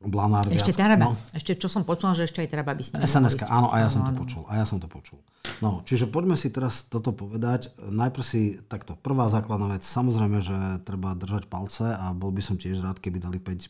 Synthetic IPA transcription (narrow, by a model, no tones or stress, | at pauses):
blanaːɾɛʃɛst̪anaɔɛʃcɛt͡ʃɔsɔmpɔt͡ʃulaʒɛɛʃcɛajt̪ɾababisɛsɛnɛskaːʔaːnɔ̰ʔa̰jasɔmɔpɔt͡ʃṵla̰jasɔmt̪ɔpɔt͡ʃul | nɔt͡ʃiʒɛpɔɟmɛsit̪ɛɾast̪ɔt̪ɔpɔʋɛd̪acnajpr̩sit̪akt̪ɔpr̩ʋaːzaːklad̪naːʋɛt͡ssamɔzɾɛjmɛʒɛt̪ɾɛbad̪r̩ʒacpalt͡sɛabɔlbisɔmcɪɛʒɾaːt̪kɛbid̪alipɛc